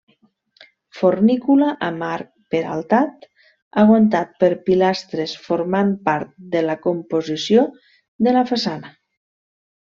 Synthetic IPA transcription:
fornikulaʔamaɾk̚peɾa̰lˠt̪at̪ | aɣwont̪at̪̚pəɾpilast̪ɾesfoɾmampaɾt̪̚d̪əlakompozisjo | ðəlafasana

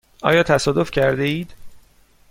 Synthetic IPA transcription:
ʔɒ̰ːjɒːt̪ʰæsɒːd̪o̞fcʰæɾd̪eiːd̪̥

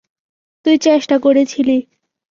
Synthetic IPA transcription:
t̪ujt͡ɕeʃʈakoɾet͡ɕʰili

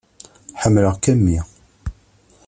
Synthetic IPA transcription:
ħəmːləʁkæmːi

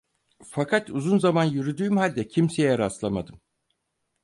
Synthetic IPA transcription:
fakʰat̪uzunzamanjyɾyd̪yːmhalʲd̪ɛcʰimse̞jɛɾaslˠama̰d̪ɯm

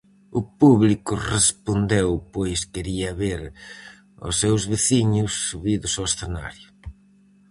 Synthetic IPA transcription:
ʊpuβlikʊrespond̪ewpojskeɾiɐβeɾ | ʊ̰sːewzβeθiɲʊsːuβiðʊsoesθena̰ɾjʊ

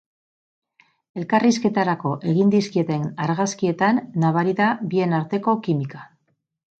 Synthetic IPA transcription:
e̞lkariske̞t̪aɾako̞ʔe̞ɣind̪iskie̞t̪e̞naɾɣaskie̞t̪anːaβaɾiðabie̞naɾt̪e̞ko̞kimika

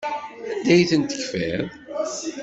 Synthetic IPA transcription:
d̪æjθənt̪ə̥çfɛðˤ

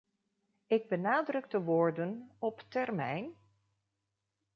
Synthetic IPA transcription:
ɪɡ̚bənaːdrɵɡdəʋʊːɹdənɔptɛrmɛ̰jn

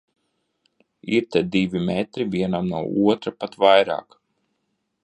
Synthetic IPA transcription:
iɾt̪ɛd̪ivʲimɛt̪ɾivʲiɛnamnuɔʔuɔt̪ɾapat̪vajɾa̰ːk

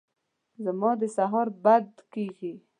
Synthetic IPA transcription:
zamɑd̪əsaɦɑɾbad̪keɡi

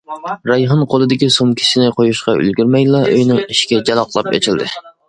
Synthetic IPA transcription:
ɾɑjɦɨnqʰolˠɨd̪ɪkʲisomkʲʰi̥ʃɪnɪqʰojuʃqɑy̰lɡʲyɾmɛjlˠɑʔøjnɨŋiʃkʲɛd͡ʒɛlˠɑqlˠɑpḛt͡ʃʰɪld̪ɪ

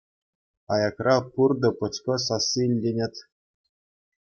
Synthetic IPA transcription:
ɑjɑkrɑpurd̪ɤ̆pɤ̆t͡skɤ̆sɑsːiilʲdʲenʲetʲ

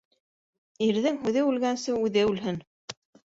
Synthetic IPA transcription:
iɾðɘŋɦʉðɘʉlɡænsɘʉðɘʉlɦɘn

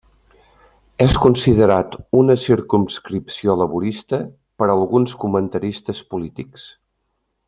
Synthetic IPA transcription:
ɛskunsiðəɾat̪unəsiɾkumskɾipsioləβuɾist̪ə | pəɾəlˠɣunskumənt̪əɾist̪əspulit̪iks

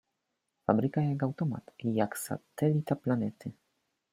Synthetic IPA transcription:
fabɾɘkajakawt̪ɔma̰t̪ijaksa̰t̪ɛlʲit̪aplanɛt̪ɘ

